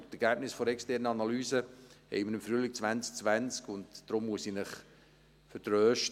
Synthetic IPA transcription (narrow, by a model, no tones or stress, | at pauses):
tɛɾɡ̥æːbnɪsfɔɾɛkstɛrnəɑnɑlyːsəhɛ̰mənəmfɾyəlɪk̚t͡sʋænt͡sk̚t͡sʋænt͡skʊndd̥ɾʊmːuəsinəχ | fəɾtɾœːʃt